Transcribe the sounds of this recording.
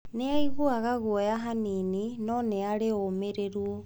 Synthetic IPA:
neaiβoaɣaɣwɔjaɦanininɔneaɾeomeɾeɾuo

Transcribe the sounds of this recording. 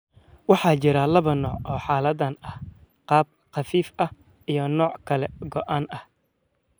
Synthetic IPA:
wɑħɑːt͡ʃɪɾɐlɐβɐnɔːʕʔɔːħɑːlɐd̪ɐnɐh | qɑːb̚qɑfiːfɐh | ijɞnɔːʕkʰɐlɛɡɔʔaːnɐh

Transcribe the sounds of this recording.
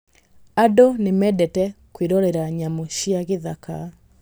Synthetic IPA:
adɔnemɛdɛtɛkweɾɔɾɛɾaɲamoɕiaɣeðaka̰

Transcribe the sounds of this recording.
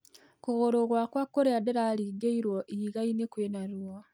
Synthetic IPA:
kuɣoɾoɣwakwakːoɾeadeɾaliɡeiɾwoʔiɣainekwenaɾuwa

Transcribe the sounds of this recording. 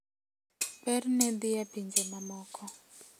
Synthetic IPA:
bɛrinɛd̪ijabind͡ʒɛmamɔːkɔ

